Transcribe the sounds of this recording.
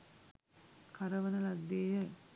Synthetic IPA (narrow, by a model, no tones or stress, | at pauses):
kʰaɾəʋənəlɐd̪ːeːjə